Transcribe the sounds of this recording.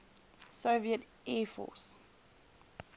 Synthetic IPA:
soviət | ɛːfɔ̰s

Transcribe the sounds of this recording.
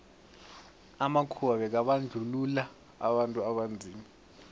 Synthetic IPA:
amakʰuɓaɓɛk̬aɓand͡ɮʱulula | a̰ɓantʼuaɓand͡zʱiːma

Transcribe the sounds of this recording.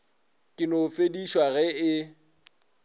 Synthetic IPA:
kʼɪnofediʃwaɣɛɪ

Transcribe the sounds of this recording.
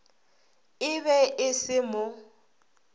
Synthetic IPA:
ɪβɛʔɪsɪmʊ

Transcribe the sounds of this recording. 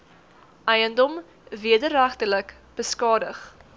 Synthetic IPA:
ʔɛjəndɔm | viədəræχtələk | b̥əskɑːdəχ

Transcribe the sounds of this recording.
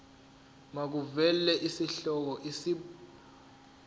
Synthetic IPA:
mak̬uvɛlɛʔisiɬɔk̬ɔʔisi

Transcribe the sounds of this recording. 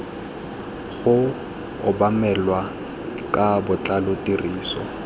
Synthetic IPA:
ɣʊ | ʊbamɛlwa | kʼabʊt͡ɬʼalʊtʼiriːsɔ̰

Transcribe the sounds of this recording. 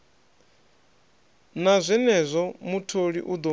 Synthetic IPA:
nazʷɛnɛzʷɔmutʰoɺḭʔud̪ɔ

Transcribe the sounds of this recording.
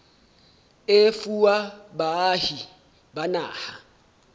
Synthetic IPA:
efuwabahi | bana̰ːha

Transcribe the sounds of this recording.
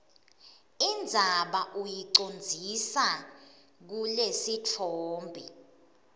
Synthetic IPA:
ind͡zʱaɓaʔujiǀond͡zʱisa | k̬ulesit͡fʰoːmbʱi

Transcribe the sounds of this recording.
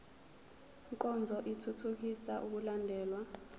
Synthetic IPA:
ŋkʼɔnd͡zʱɔʔitʰutʰuk̬isaʔuk̬ulandʱɛːlwa

